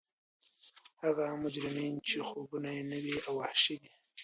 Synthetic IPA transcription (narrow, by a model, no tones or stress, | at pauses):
haɣamʊd͡ʒɾɪmint͡ʃexobunajnəwiawahʃid̪i